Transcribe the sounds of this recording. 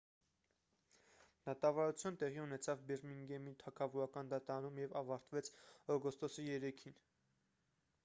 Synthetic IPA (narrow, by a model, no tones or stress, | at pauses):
d̪̥ɑt̪ɑvɑɾut͡sʰjunət̪ɛʁiunɛt͡sʰɑvbɛɾmiŋɡɛmit̪ʰɑkʰɑvuɾɑkɑnd̪ɑt̪ɑɾɑnumjɛvɑvɑɾt̪vɛt͡sʰɔɡɔst̪ɔsijɛɾɛkʰin